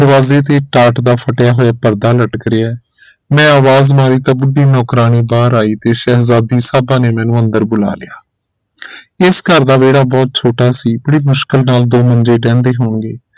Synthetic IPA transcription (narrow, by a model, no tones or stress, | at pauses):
d̪əɾʋaːzeːt̪eːʈaːʈd̪aːpʰəʈjaːɦoːjaːpəɾd̪aːləʈkəɾɪːɛː | mɛ̃ːaːʋaːzmaːɾiːt̪ãːbʊɖiːnɔːkɾaːneːbaːɾaːiːt̪eːʃɛːɦzaːd̪iːsaːbãːneːmɛ̃ːnũːənd̪əɾbʊla̰ːlɪ̰jaː | ɪskəɾd̪aːʋeːɽaːbɔːt̪̚t͡ʃʰoːʈaːsiːbəɽiːmʊʃkəlnaːld̪oːməɲd͡ʒeːɖɛ̃ːnd̪eːɦoːɳɡeː